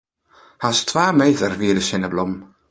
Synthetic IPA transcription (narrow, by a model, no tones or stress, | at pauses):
astʰv̥aːmejðərviːɾəʃɪnəblʊm